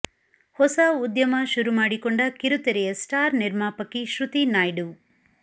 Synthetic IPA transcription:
hɔsɐud̪jɐmɐʃuɾumaːɽikoɳɖɐkiɾut̪ɐɾɛjɐsʈaːɾniɾmaːpɐkːiʃɾut̪inaːjɖu

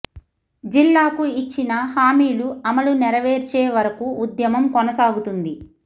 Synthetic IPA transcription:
d͡ʒilːaːkuit͡ʃːinɐɦaːmiːluɐmɐlunɛɾɐʋeːɾt͡ʃeːʋɐɾɐkuːd̪jɐmɐmkɔnɐsaːɡut̪und̪i

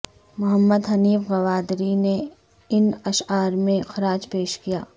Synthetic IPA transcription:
mʊɦəmːəd̪ɦɐniːfɣɐʋaːd̪ɾine | ɪnɐʃaːɾmẽxɾaːd͡ʒpeːʃkijaː

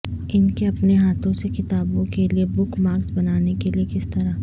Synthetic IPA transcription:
ɪnkeɐpneɦaːt̪ʰõsekɪt̪aːbõkeliebʊkmaːksbɐnaːnekeliekɪst̪ɐɾa

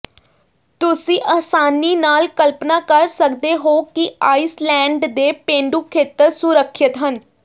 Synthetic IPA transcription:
t̪ʊsĩːʔaːsaːniːnaːlkəlpnaːkəɾsəkd̪eːɦoːkɪaːislɛ̃ːɳɖd̪eːpẽːɳɖuːkʰeːt̪əɾsʊɾəkʰːət̪ɦən

